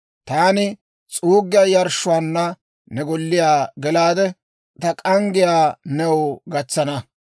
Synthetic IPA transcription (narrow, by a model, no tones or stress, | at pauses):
t̪aːnɪ | t͡sʼuːɡːɪjɐjɐɾʃːʊaːnːɐ | nɛɡɔlːɪjaːɡɛlaːd̪ɛ | t̪ɐkʼɐŋɡɪjaːnɛwʊɡɐt͡sːɐnɐ